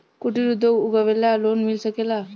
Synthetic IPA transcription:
kuʈiɾud̪ʱːouɡaʋeljalonmilsəkela

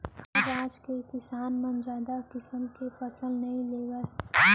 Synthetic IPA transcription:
ɐɾaːd͡ʒkekɪsaːnmɐ̃nd͡ʒaːd̪akɪsəmkefɐsəlnɐɦĩleːwə

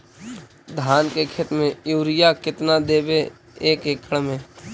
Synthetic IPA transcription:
d̪ʱaːnkekʰeːt̪mẽjuːɾɪjakɪt̪nad̪eːbe | eːkekʰəɽmẽː

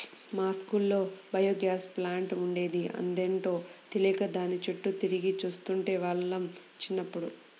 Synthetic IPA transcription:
maːskulːo̞ːbɐjoːɡjaːsplaːɳʈuɳɖe̞ːd̪iʔɐ̰nd̪eːɳʈo̞ːt̪ilikɐd̪aːnit͡ʃeʈːut̪iɾiɡit͡ʃuːst̪uɳʈe̞ːʋaːɭːɐmt͡ʃinːɐpːuɽu

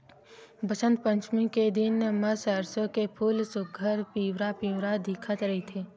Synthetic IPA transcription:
bəsə̃nt̪pə̃ɲt͡ʃmiked̪ɪnməsəɾsõkepʰuːlsʊɡʱəɾpiːwɾapiːwɾad̪iːkʰət̪ɾɐɦet̪ʰeː

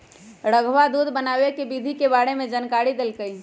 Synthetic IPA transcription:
ɾəɡʱʋad̪ud̪ʱbənabekebid̪ʱikebaɽemed͡ʒənkaɽid̪elkəj

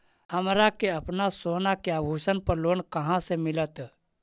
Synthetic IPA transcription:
ɦəmɾakeəpnasoːnakeabʱuːʃənpəɾloːnkəɦãsemɪlət̪

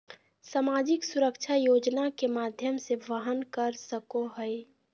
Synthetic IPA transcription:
saːmaːd͡ʒɪksʊɾəkʃʰajoːd͡ʒnakemaːd̪ʱjəmseʋəɦənkəɾsəkoɦɛe

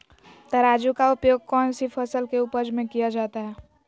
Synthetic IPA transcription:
t̪ɐɾaːd͡ʒukaʊpjoːɡ̚kɔːnsipʰəsəlkeupəɾd͡ʒmẽkijad͡ʒaːt̪aɦɛː

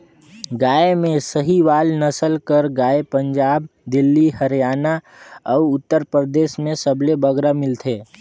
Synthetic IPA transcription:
ɡaːemẽsəɦiʋaːlnəsəlkəɾɡaːepə̃ɲd͡ʒaːb̚d̪ɪlːihəɾjaːna | ɔʊʊt̪ːəɾpɾəd̪eːʃmẽsəblebəɡɾamɪlt̪ʰeː

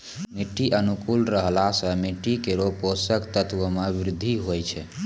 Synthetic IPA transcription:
miʈːiʔənukulɾəɦlasə̃meʈːikeɾoposəkt̪ət̪wəmebɾɪd̪ʱːiɦojt͡ʃʰɛ

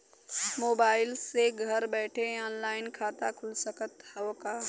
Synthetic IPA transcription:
moːbaːɪlseɡʱɐɾbɛːʈʰeaːnlaːɪnkʰaːt̪akʰʊlsəkət̪hɐʋkaː

